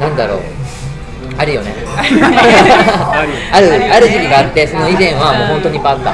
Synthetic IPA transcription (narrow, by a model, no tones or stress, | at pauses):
nãnd̪aɾo̞̰ː | aɾɯ̟jo̞ne̞ | aɾɯ̟aɾɯ̟ʑikʲiɡaːt̪ːe̞so̞no̞izẽ̞ɰ̃βamo̞ːɦõnt̪o̞ɲ̟ipat̪ːa̰